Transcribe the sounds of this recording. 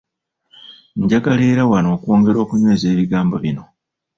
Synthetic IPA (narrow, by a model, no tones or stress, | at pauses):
ɲɟaɡale̞ːɾawano̞ːkwo̞ːŋɡe̞ɾo̞ːkuɲwe̞ːze̞ːβiɡaːmbo̞βino̞